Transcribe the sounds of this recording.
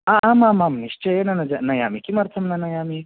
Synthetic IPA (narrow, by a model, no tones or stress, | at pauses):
aʔamamamniʃt͡ʃɐjenɐnɐd͡ʒanɐjamikimɐɾt̪ʰɐmnɐnɐjami